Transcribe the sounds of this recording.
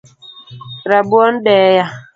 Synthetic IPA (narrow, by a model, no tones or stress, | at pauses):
ɾabuɔn̩dɛja